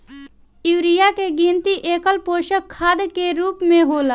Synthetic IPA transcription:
ɪʋɾɪjakeɡĩːnt̪iʔeːkəlpoːʃəkkʰːaːd̪keɾuːpmẽɦoːla

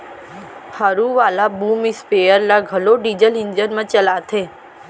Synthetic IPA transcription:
həɾuʋalabumispejəɾlaɡʱəloɖid͡ʒəlind͡ʒənmãt͡ʃəlat̪ʰe

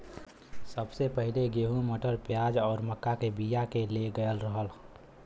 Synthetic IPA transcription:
səbsepəɦileɡeːɦũməʈəɾpjaːd͡ʒɔːɾməkːakebijakeleɡəəlɾəɦəl

